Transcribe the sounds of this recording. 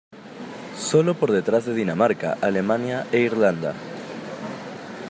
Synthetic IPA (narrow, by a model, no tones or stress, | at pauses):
solopoɾðet̪ɾazðeðinamaɾka̰ʔalemãnjaeiɾlãnd̪a̰